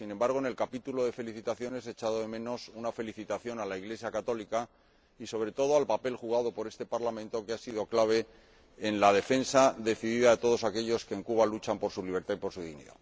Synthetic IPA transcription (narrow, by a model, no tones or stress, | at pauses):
sinẽ̞mbaɾɣ̞oene̞lkapit̪ulo̞ðe̞fe̞liθit̪aθjo̞ne̞set͡ʃaðoðe̞mẽ̞no̞sunafe̞liθit̪aθjo̞nalaiɣle̞sjakat̪o̞lika | iso̞β̞ɾe̞t̪o̞ð̞oalpape̞lxuɣað̞o̞po̞ɾe̞st̪e̞paɾlamẽ̞nt̪o̞keasiðo̞klaβ̞e̞ː | nlað̞e̞fe̞nsaðe̞θiðiðaðet̪o̞ð̞o̞sake̞ʎo̞ske̞ːŋkuβ̞alut͡ʃampo̞ɾsuliβ̞e̞ɾt̪aipo̞ɾsuðiɣnḭða̰